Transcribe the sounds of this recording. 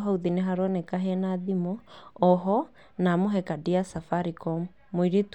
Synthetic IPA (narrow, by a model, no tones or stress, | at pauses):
ɦauðineɦaɾwɔnɛkaɦɛnaðimɔɔɦɔ | namoɦɛkadiasafaɾikɔm | moiɾet